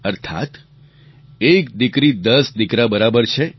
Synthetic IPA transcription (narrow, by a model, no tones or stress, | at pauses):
əɾt̪ʰa̰t̪ | ek̚d̪ikɾid̪əsd̪ikɾabəɾabəɾt͡ʃʰe